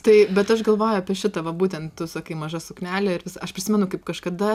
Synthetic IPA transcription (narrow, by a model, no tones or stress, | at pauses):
t̪ɐɪbʲɛt̪ɐʃɡɐlˠʋoːjʊɐpʲiɛʃʲɪt̪ɐʋɐbuːt̪ʲɛnt̪t̪ʊsɐkɐɪmɐʒɐsʊknʲæːlʲɛɪɾʋʲɪsɐɐʃpʲɾʲɪsʲɪmʲɛnʊkɐɪp̚kɐʃkɐd̪ɐ